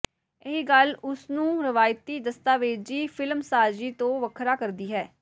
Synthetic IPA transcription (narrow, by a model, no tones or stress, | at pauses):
ɪɦiːɡəlʊsnũːɾɪʋaːjt̪iːd̪əst̪aːʋeːd͡ʒiːpʰɪlmsaːd͡ʒiːt̪õːʋəkʰɾaːkəɾd̪iːɦɛː